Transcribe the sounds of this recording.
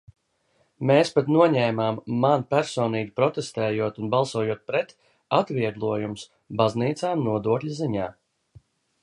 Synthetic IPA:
meːspat̪nuɔɲɛːmaːmːanpæɾsɔːniːɡipɾɔt̪est̪ɛːjuɔt̪unbalˠsuɔjuɔt̪̚pɾɛt̪ | at̪viɛɡlˠuɔjums | bazniːt̪saːmnuɔd̪uɔklʎʲiziɲaː

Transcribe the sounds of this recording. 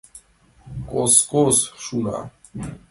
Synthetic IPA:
kʼɔskʼɔsʃuna̰

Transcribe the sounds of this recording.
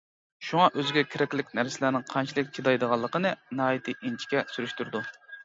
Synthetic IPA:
ʃuŋɑʔøzɪɡʲɛkʲʰeɾɛkʲlɪkʲnæɾsɪlæɾnɪŋqʰɑnt͡ʃʰilˠɨk̚ʲt͡ʃʰid̪ɑjd̪əʁɑlˠːəqənɨnɑɦɑːjit̪ʰɨʔint͡ʃʰi̥kʲɛsyɾyʃt̪yɾd̪u

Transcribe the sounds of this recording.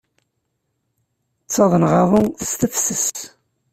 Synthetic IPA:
t͡sːɑðˤənʁɑðˤʊθə̥st̪əfsəs

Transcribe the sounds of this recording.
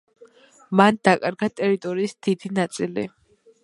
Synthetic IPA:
mand̪akʼaɾɡat̪ʼɛɾit̪ʼɔɾiːsd̪̥id̪inat̪sʼilḭ

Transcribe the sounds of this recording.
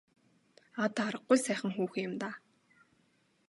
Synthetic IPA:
at̪aɾə̆qːʊjsæːχə̆ŋxuːxijʊ̆mt̪aː

